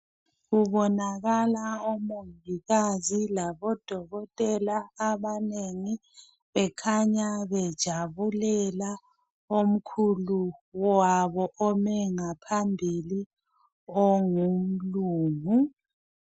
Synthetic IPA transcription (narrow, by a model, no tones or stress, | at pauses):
ɣuβɔnaɣalaomoŋiɣazilaβɔd̥ʱɔɣɔtʼɛlaːβaneŋi | βɛkʰaɲaβɛd̥ʒ̥ʱaβulɛla | om̩kʰuluwaβɔʔɔmɛŋapʰambʱili | ɔŋum̩luːmu